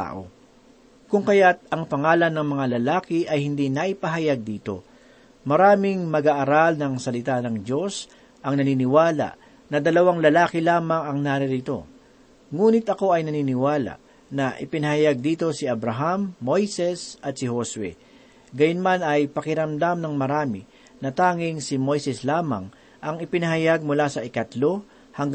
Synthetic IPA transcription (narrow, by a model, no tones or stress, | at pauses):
t̪a̰ːʔo̞̰ | kʊŋkɐjat̪̚ɐŋpɐŋaːlɐnːɐŋmɐŋalɐlaːkɪʔɐjhɪnd̪inɐʔɪpɐɦɐjaɡ̚d̪iːt̪o̞̰ | mɐɾaːmɪŋmɐɡaʔːɾalnɐŋsɐlɪt̪anɐŋdo̞s | ʔɐŋnɐniːnɪwaːlɐ̰ʔ | nɐd̪ɐlɐwaŋlɐlaːkɪlaːmɐŋɐŋnaːɾɪɾit̪o̞̰ | ŋuːnɪt̪ɐko̞ɐjnɐniːnɪwaːla̰ʔ | nɐʔɪpɪnɐɦɐjaɡ̚d̪iːt̪o̞sɪɐbɾɐɦamːo̞jsɛsʔɐt̪̚sɪhoswɛ̰ | ɡɐjʊnmanɐjpɐkɪɾɐmd̪amnɐŋmɐɾaːmɪ | nɐt̪aːŋɪŋsɪmo̞jsɛslaːmɐ̰ŋ | ʔɐŋɪpɪnɐɦɐjaɡ̚mʊlasɐʔɪkɐt̪lo̞ | hɐŋ